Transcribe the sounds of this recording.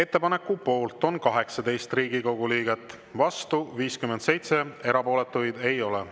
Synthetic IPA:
e̞t̪ˑːe̞pɑne̞kːˑupo̞ːlt̪ˑo̞nkɑɦe̞ksɑd̪e̞jst̪riːɡ̥iko̞ɡ̥uliːɡ̥e̞t̪ːˑ | vɑst̪uviːskymːend̪se̞jt̪se̞e̞ɾɑpo̞ːle̞t̪ːˑujd̪̥e̞jo̞lɛ

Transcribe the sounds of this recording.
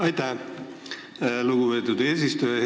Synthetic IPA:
ɑjt̪æh | luɡube̞ːt̪ˑud̪eːs̬ist̪uje

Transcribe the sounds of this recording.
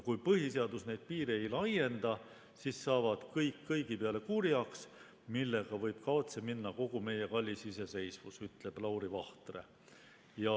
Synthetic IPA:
kujpɤɦiseɑd̪̥usne̞jd̪̥̚piːɾeejlɑje̞nd̪̥ɑ | siːsːɑːvɑd̪̥kɤjkːɤjɡipeɑle̞kuːɾiɑks | milːe̞ɡ̥ɑvɤjb̥̚kɑt̪se̞minːɑko̞ɡ̥ume̞je̞kɑlʲːisise̞se̞jsvusyt̪ˑle̞b̥lɑwɾivɑht̪re̞̰ | jɑ

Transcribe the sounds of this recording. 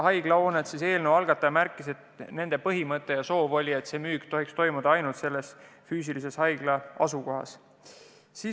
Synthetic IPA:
ɦɑjɡ̥lɑo̞ːnet̪sise̞ːlnewɑlɡ̥ɑt̪ːˑɑjɑmærkːˑise̞t̪ne̞nd̪e̞pɤɦimɤt̪ːˑe̞jɑso̞ːvo̞lʲie̞t̪se̞ːmyːkt̪o̞ɦikst̪o̞jmud̪̥ɑɑjnult̪se̞lːe̞sfyːsilise̞shɑjɡ̥lɑɑ̰suko̞ɦɑ̰s | siː

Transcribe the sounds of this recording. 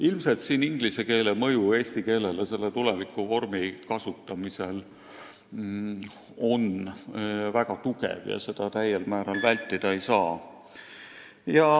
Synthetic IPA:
ilmse̞lt̪siːniŋɡ̥lise̞ke̞ːlemɤ̞jue̞ːsʲt̪ike̞ːle̞lese̞lːet̪ule̞vikːˑuvo̞rmikɑsut̪ːˑɑmise̞l | o̞n | væɡ̥ɑt̪ukḛvjɑ̰se̞d̪̥ɑt̪æjːelmæːɾɑlvælʲt̪ˑːid̪̥ɑejsɑː | jɑ

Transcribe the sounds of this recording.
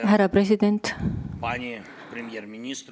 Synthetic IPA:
ɦæɾɑpɾesid̪ent̪panʲi | pɾʲɪmʲjermʲɪnʲist̪

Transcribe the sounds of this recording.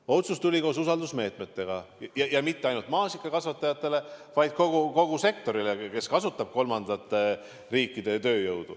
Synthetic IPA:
o̞t̪sust̪ulʲiko̞ːsusɑld̪usme̞ːt̪me̞t̪ːe̞ɡ̥ɑjɑjɑmit̪ːe̞ɑjnult̪mɑːsikˑːɑkɑsvɑt̪ːˑɑjɑt̪ːˑe̞le̞vɑjd̪̥̚ko̞ɡ̥uko̞ɡ̥use̞k̚t̪o̞ɾileke̞skɑsut̪ːˑɑb̥̚ko̞lmɑnd̪̥ɑt̪ːˑe | riːkːˑid̪̥e̞t̪ø̞ːjɤwd̪̥u

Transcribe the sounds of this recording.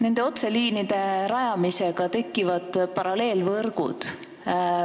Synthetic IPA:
ne̞nd̪̥e̞o̞t̪se̞liːnid̪̥e̞ɾɑjɑmiseɡ̥ɑt̪e̞kːˑivɑd̪̥pɑɾɑle̞ːlvɤrɡ̥ṵd̪̥

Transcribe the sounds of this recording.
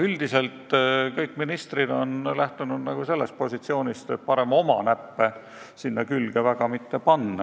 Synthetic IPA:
yld̪ise̞lt̪ˑkɤjkːˑminist̪rid̪o̞nlæht̪unud̪nɑɡ̥use̞lːe̞st̪̚po̞sit̪sio̞ːnʲist̪et̪̚pɑɾe̞mo̞mɑ̰næpːe | sinːɑkylɡ̥evæɡ̥ɑmit̪ːe̞pɑnːɑ

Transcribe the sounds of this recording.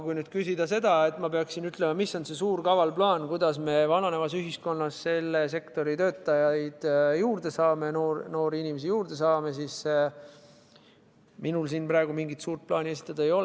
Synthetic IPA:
kujnyːd̪̥kysid̪ɑse̞d̪̥ɑe̞t̪ːˑmɑpe̞ɑksinyt̪le̞mɑmisːo̞nse̞suːrkɑvɑlplɑːnkujd̪̥ɑsme̞vɑnɑne̞vɑsyɦisko̞nːɑsse̞lːe̞se̞kt̪o̞ɾit̪øːt̪ːˑɑjɑjd̪̥juːɾd̪̥e̞sɑːmenoːrno̞ːɾiinimesijuːrd̪e̞sɑːme̞sis | minulsiːnprɑe̞ɡ̥umiŋɡit̪suːrt̪̚plɑːnʲie̞si̥t̪ːˑɑd̪̥ɑe̞jo̞l

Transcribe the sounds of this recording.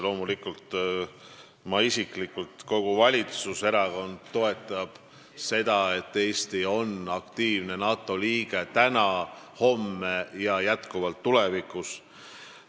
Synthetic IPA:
lo̞ːmulikult̪ | mɑisiklikːult̪ko̞ɡ̥uvɑlʲit̪suse̞ɾɑko̞nd̪̥̚t̪o̞e̞t̪ːˑɑb̥ | se̞d̪̥ɑe̞t̪ːe̞ːst̪io̞nɑkt̪iːvne̞nɑːt̪ːˑo̞liːɡ̥e̞t̪ænɑho̞mːejɑjæt̪kuvɑlt̪ːule̞vikus

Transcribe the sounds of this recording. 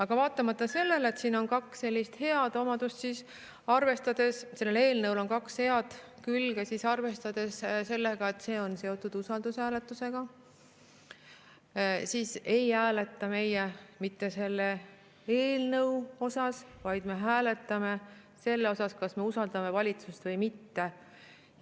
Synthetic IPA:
ɑɡ̥ɑvɑːt̪ːˑɑmɑt̪ːˑɑse̞lːe̞let̪siːno̞nkɑksːe̞lʲːist̪he̞ɑd̪̥o̞mɑd̪̥ust̪siːs | ɑrve̞st̪ɑd̪̥e̞sse̞lːele̞ːlnɤwlo̞nkɑkshe̞ɑd̪̥kylɡ̥esisɑrve̞st̪ɑd̪̥e̞sse̞lːe̞ɡ̥ɑe̞t̪ːˑse̞ːo̞nse̞o̞t̪ːˑud̪̥usɑld̪ushæːle̞t̪ːˑuse̞ɡ̥ɑ | siːse̞jhæːle̞t̪ːˑɑme̞jemit̪ːe̞se̞lːe̞ | eːlnɤwo̞sɑsvɑjd̪̥me̞ɦæːle̞t̪ːˑɑme̞ | se̞lːeo̞sɑskɑsme̞usɑld̪ɑme̞vɑlʲit̪sust̪vɤjmit̪ːe̞

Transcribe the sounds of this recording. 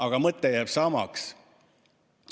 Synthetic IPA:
ɑɡ̥ɑmɤt̪ːejæːb̥sɑmɑ̰ks

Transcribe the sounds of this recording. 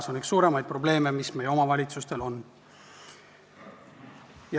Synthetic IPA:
sɑniksuːɾe̞mɑjd̪̚pro̞ble̞ːme̞misme̞jo̞mɑvɑlʲit̪sust̪e̞lo̞nː | jɑ

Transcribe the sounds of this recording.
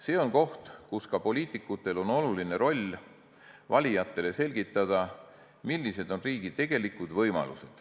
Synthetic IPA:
se̞ːo̞nko̞ht̪kuskɑpo̞lʲiːt̪ˑikˑut̪ːˑe̞lo̞no̞luline̞ɾo̞lʲ | vɑlʲijɑt̪ːˑe̞le̞se̞lɡ̥it̪ːˑɑd̪̥ɑ | milːise̞d̪o̞nriːɡ̥id̪̥̚t̪ːe̞ɡ̥e̞likud̪̥vɤjmɑ̰lṵse̞d̪̥

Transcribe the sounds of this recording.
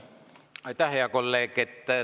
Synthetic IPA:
ɑˑit̪ɑheɑkolːeːket̪ːæ

